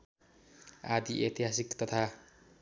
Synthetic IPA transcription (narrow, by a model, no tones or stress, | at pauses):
ad̪iʔet̪iɦasikt̪ʌt̪ʰa